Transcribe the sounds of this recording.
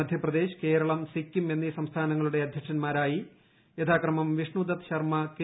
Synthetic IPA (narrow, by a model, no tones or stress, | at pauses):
ɐd̪ʱjɐprɐd̪e̞ːɕɐ̥ke̞ːɾɐɭɐmsikʲːume̞nːisɐmst̪ʰaːnɐŋːɐɭuɽe̞ɐd̪ʱjɐkʂɐnmaːɾaːji | jet̪ʰaːkrɐmɐmʋiʂɳud̪ɐt̪ɕɐrmɐk